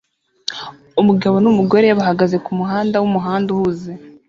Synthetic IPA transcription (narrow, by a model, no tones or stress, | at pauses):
umuɡaβo̞numuɡo̞ɾe̞jaβaɦaɡaze̞kumuɦaːndawumuɦaːnduhuze